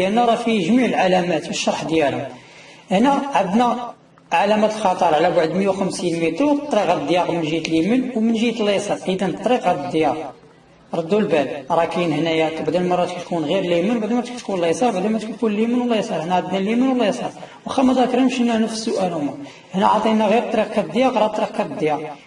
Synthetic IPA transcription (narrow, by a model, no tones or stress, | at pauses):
ʔænːæɾˤɑfiʒmiʕəlʕalæmæt̪bəʃːɑɾˤħd̪jælhʊmʔəhnæʕad̪næ | ʕalæmæt̪əlxɑt̪ˤəɾˤʕlæbaʕd̪məjæwxəmsinmit̪ɾwt̪ˤːɾiqɑd̪jɑqmənʒit̪limənwmənʒit̪lːesˤɑɾˤʔid̪ænt̪ˤːɾiqæd̪d̪ːjɑq | ɾˤɑd̪ːulbælɾˤɑkijnhnæjæt̪baʕd̪ænmɑrˤːɑt̪kæt̪kunɣiɾlimənbaʕd̪ænmæt̪kt̪kunlesˤɑɾˤbaʕd̪æmæt̪kukunlimənwlesˤɑɾˤhnæʕad̪nælimənwlːæjsˤɑɾˤwxæmæd̪ækɾimʃinːæhnəfə̥sːʊʔælhʊmæ | əhnæʕɑt̪ˤinæɣiɾt̪ˤːɑɾiq̚kɑd̪jɑqɾˤɑt̪ːˤɾiq̚kɑd̪jɑq